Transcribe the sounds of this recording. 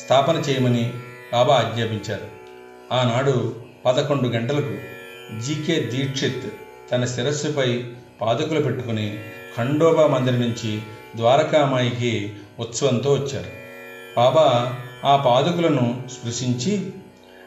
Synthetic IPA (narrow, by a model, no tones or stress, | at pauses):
st̪ʰaːpɐnɐt͡ʃɛːjɐmɐni | baːbaːd̪ɲaːpiɲt͡ʃaːɾu | aːnaːɽu | pɐd̪ɐko̞ɳɖuɡɐɳʈɐlɐku | d͡ʒiːkeːd̪iːʈʂet̪ː | ɐnɐsiɾɐsupɐj | paːd̪ɐkulupe̞ʈːukuni | kʰɐɳɖɔːbaːmɐnd̪ɾinuɲt͡ʃi | d̪ʋaːɾɐkaːmaːjik̬e | ut̪sɐʋɐnt̪o̞ːʋɐt͡ʃːaːɾu | baːbaaːpaːd̪ɐkulɐnuskɾuʂiɲt͡ʃi